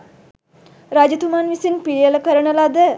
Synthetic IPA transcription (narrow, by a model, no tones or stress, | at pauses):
ɾad͡ʒut̪umanʋisinpiɾijələkəɾəɳəlad̪ə